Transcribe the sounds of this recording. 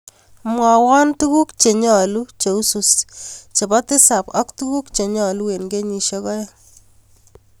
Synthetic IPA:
mwa˨wɔ˦ntu˦ku˦kt͡ʃe˨ɲɔ˨lu˦t͡ʃe˨u˦su˨st͡ʃe˨bɔ˦tɪ˦sa˨pɔ˦ktu˦ku˦kt͡ʃe˨ɲɔ˨lu˦we˨nɡe˦ɲi˨ʃɔ˦kɔ˦jɔ˦

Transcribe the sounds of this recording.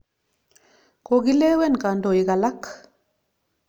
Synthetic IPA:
ko˨ɣi˦lɛ˦wɛ˦nka˨ndo˨i˨ka˨la˦k

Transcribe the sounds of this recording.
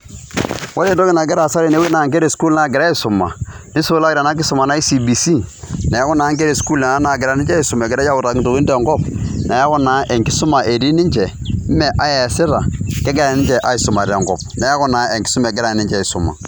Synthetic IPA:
wa˦ɾe˦˨do˦kɪ˦na˨ɡɪ˦ɾa˨sa˦ɾi˨ne˦we˦na˨ŋke˦ɾe˨sku˦lna˦˨ɡɪ˨ɾa˦i˦sʊ˨mːa̰˨ | nɪ˦su˦la˦ɡɪɾa˨na˦k̬ɪ˦sʊ˨ma˨na˦i˦si˨bi˨si˦ne˨ja˦kɔ˦na˨˦ŋk̬e˦ɾe˨sku˦lna˨na˦na˨ɡɪ˨ɾa˨˦nɪ˦ɲd͡ʒɛ˦i˦sʊ˨ma˨ɡɪ˨ɾa˦a˦ʊ˨ta˨kɪ˦to˨wi˦nde˨ŋɡɔ˦pna˨ja˦kɔ˦na˨˦ʔe˨ŋkɪ˦sʊ˦ma˨ʔe˨di˦ni˦ɲd͡ʒɛ˨˦ | mɛ˨ʔa˦je˨sɪ˦ɾa˨kɛ˦ɡe˦ɾnɪ˦d͡ʒɛ˨ʔa˦i˨sʊ˨ma˨ɾe˨ŋɡɔ̰˨p̚na˨˦ja˦kɔ˦na˨˦e˨kɪ̥˦sʊ˦me˨ɡɪ˦ɾa˨nɪ˦d͡ʒɛ˦˨sʊ˨ma̰˨

